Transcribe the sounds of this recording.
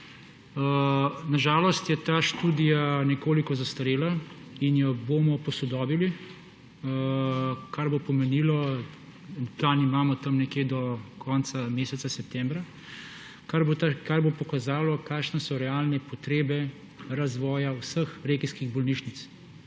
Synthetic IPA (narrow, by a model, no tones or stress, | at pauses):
ənaʒaːlɔst̪jɛt̪aːʃt̪uːd̪ijanɛkoːlikɔzast̪aɾeːlainjɔboːmɔpɔsɔd̪ɔːbili | kaɾbopɔmɛniːlɔ | nplaːnimaːmɔt̪ɐmnɛkjeːd̪ɔkʰɔnt̪sameːsɛt̪sasɛp̚t̪ɛmbɾa | kaɾkaɾbopɔkazaːlɔkaːkʃnɛsɔɾɛaːlnɛpɔt̪ɾeːbɛ | ɾazʋɔːjawsəxɾeːkiskiɣbɔlniːʃnit̪s